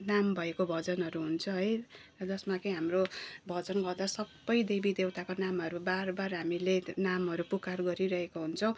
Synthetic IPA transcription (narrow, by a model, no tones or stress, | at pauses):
nambʱʌekobʱʌd͡zʌnɦʌɾuɦunt͡sʰʌɦʌjrʌd͡zʌsmakʌiɦamrobʱʌd͡zʌnɡʌrd̪asʌbːʌjd̪ebid̪ewt̪akonamɦʌɾubarbarɦamilenamɦʌɾupukarɡʌɾiɾʌɦekoɦunt͡sʰʌw̃